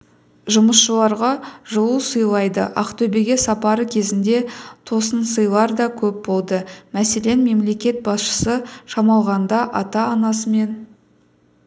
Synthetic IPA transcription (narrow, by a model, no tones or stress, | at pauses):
ʒʊməsʃəlˠɑɾʁɑʒəlˠusəjlˠɑjd̪ə̰ʔɑ̰qt̪ʰɵbe̞ɡʲe̞sɑpɑɾəkʲʰe̞zɪnd̪e̞t̪ʰo̞sənsəjlˠɑɾd̪ɑkʲʰɵp̚bo̞lˠd̪əmæse̞le̞nme̞mle̞kʲe̞t̪̚bɑsʃə̥səʃɑmɑlˠʁɑnd̪ɑʔɑt̪ɑːnɑsəme̞n